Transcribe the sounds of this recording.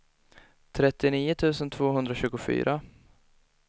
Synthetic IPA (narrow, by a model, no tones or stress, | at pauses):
t̪ʰɾɛt̪ːɪniːʊt̪ʰʉ̟ːsənt̪ʰv̥oːɦɵnd̪ɾaɕʉ̟ːɡʊfy̰ːɾʔa